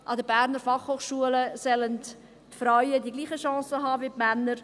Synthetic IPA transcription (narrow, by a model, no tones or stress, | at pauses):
ʔɑdəbæːɾnəɾfɑχhoːχʃuələsɛlənt | tfɾaɥədiɡliːχəʃɑ̃ːsəɦɑːviːpmænːəɾ